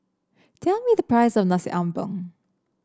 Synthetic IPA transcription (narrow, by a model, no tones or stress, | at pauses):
tʰɛlmiðəpʰɹ̥aɪsɔvnasḭʔãmbɔ̰̃ŋ